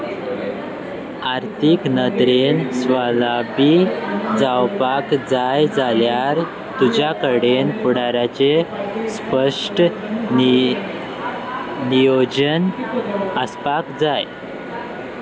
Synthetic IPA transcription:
aɾt̪ʰiknəd̪ɾensʋalabid͡zawpakd͡zajd͡zaljaɾ | t̪ud͡ʑakəɽenpuɽaɾat͡ɕespəʂʈ | nijod͡ʑən | əspakd͡zaj

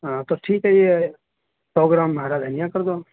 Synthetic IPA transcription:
t̪oʈʰiːkɦəie | pɾoːɡɾamːəɦaɾad̪ʱənijakəɾd̪o

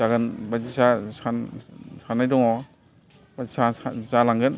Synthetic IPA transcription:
zaɡɯnbad͡ʒisasansanːajdɔŋɔ | bazisasazalaŋɡɯn

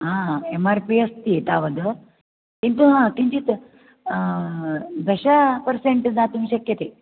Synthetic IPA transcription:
ɦãemaɾpiest̪it̪aʋəd̪ə | kint̪uɦãkiɲt͡ɕit̪ | d̪əɕapəɾseɳʈnat̪umiːɕɐkjɐt̪e

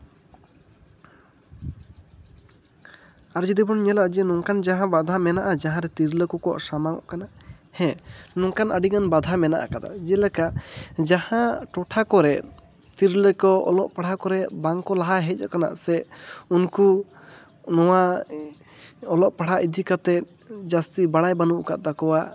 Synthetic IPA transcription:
aɾd͡ʒɔd̪ibɔnɲɛlaʔd͡ʒinɔŋkand͡ʒaɦãbad̪ʱamɛnaʔad͡ʒaɦãɾɛt̪iɾləkɔkɔʔsamaŋɔ̰ʔkana | hɛ̃nɔŋkanʔaɖiɡanbad̪ʱamɛna̰ʔa̰kad̪a̰d͡ʒɛlɛkaʔd͡ʒahãʈɔʈʰakɔɾɛ | t̪iɾləkɔɔ̰lɔʔpaɽakɔɾɛbaŋkɔlaɦaɦɛc̚ˀɔkana̰ʔsɛunku | nɔwa | ɔlɔʔpaɽ̤aʔid̪ʱikat̪ɛt̪̚ | d͡ʒast̪ibaɽajbanuʔkaʔd̪akɔwa

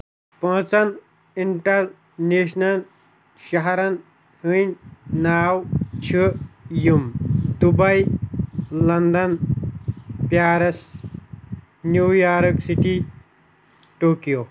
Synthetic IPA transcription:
pə̃ːt͡sɐn | iɳʈɐɾ | neːsnɐl | ʃɐɦɐɾɐn | hɨnʲnaːwt͡ʃʰijumd̪ubɐj | lɐnd̪ɐn | pjaːɾɐs | njujaːɾksiʈi | ʈoːkjo

